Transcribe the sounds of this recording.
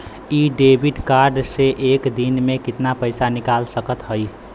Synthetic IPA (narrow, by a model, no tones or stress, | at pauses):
iɖebʱiɖkaɾɖseʔekd̪inmekit̪napəɪsanikalsəkət̪ɦəj